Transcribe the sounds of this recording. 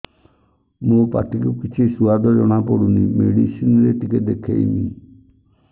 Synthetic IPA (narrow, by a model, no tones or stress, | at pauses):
mupa̰ʈikukit͡ʃʰisuad̪ɔd͡ʒɔɽ̃apɔɽunimeɽisinɾet̪ikɛd̪ekʰḛḭni